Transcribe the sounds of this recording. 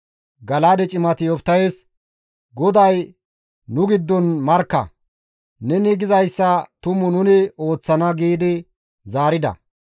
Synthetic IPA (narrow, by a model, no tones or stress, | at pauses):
ɡɐlaːd̪ɛt͡ʃʼɪmɐt̪ɪjɔpt̪ːɐjes | ɡɔd̪ɐj | nʊɡɪd̪ːɔnmɐɾkːɐ̰ | nɛnɪɡɪzɐjsːɐt̪ʊmʊnʊnɪo̞ːt͡sːɐnɐɡiːd̪ɪ | zaːɾɪd̪ɐ̰